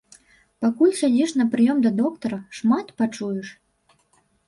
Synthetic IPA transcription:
pakulʲsʲad͡zʲiʂnɐpɾɨjɔmd̪ɐd̪ɔkt̪ɐɾɐʂmat̪pat͡ʂujɛʂ

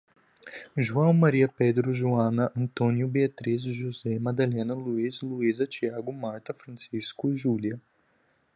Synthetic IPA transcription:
ʒuɐ̃w̃maɾiɐped̪ɾʊʒuɐ̃nɐʔɐ̃nt̪õnjʊbeɐt̪ɾizʒuzɛmad̪alɛ̃nɐluizluizɐt͡ʃiaɡʊmaɾt̪ɐfɾɐ̃siskʊʒuljɐ

